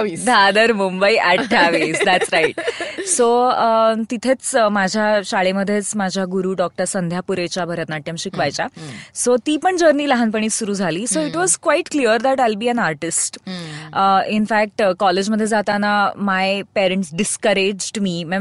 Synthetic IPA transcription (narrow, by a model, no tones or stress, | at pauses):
d̪ʱad̪əɾmumbəiʔaʈʰːaʋisd̪æʈsɾaiʈ̚soət̪it̪ʰet͡smad͡ʑʱjaɕaɭeməd̪ʱːjet͡smad͡ʑʱjaɡuɾuːɖɔk̚ʈəɾsənd̪ʱjapuɾet͡ɕabʱəɾat̪naʈːjamɕikʋajt͡ɕasot̪iːpəɳd͡ʑəɾniːləɦanpəɳ̃iːtsuɾuːd͡zʱaliːsoiʈʋɔzkʋaiʈkliəɾd̪æʈɛlbiːæ̃naɾʈisʈəinfæk̚ʈkɔled͡ʑməd̪ʱːjed͡zat̪anamajpeɾeɳʈsɖiskəɾed͡ʑɖmiːmɛ